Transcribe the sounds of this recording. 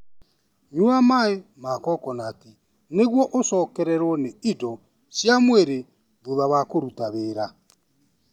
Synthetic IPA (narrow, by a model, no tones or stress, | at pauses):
ɲuamaemaːkɔkɔnaːte | neɣwɔʔosɔkɛɾɛɾwɔneidɔ | sjamweɾe | βoðaβakoɾutaβeːɾa